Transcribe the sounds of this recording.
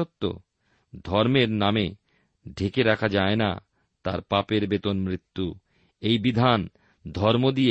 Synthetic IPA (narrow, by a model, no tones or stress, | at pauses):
ot̪ːo̰ | d̪ʱɔɾmeɾname | ɖʱekeɾakʰad͡ʑaena̰ | t̪aɾpapeɾbet̪onmɾit̪ːu | ejbid̪ʱan | d̪ʱɔɾmod̪ije